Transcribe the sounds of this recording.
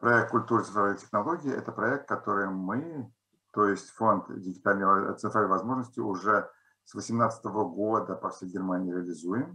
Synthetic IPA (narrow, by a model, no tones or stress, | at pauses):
pɾɐɛk̚t̪̚kʊlʲt̪uɾɨt̪sɨnt̪ɾalʲnːəɪtʲɪxnɐlˠo̞ɡʲɪɪʔɛ̰t̪əpɾɐɛk̚t̪̚kɐt̪o̞ɾɨjmɨ | t̪o̞jɪsʲtʲfo̞nt̪dʲɪɡʲɪt̪alʲnəjt̪sɨnt̪ɾalʲnəɪvɐzmo̞ʐnəsʲtʲɪʊʐɛ | svəsʲɪmnat̪sə̥t̪əvəɡod̪əpɐfsʲejɡʲɪrmanʲɪjːɾʲɪəlʲɪzujɪm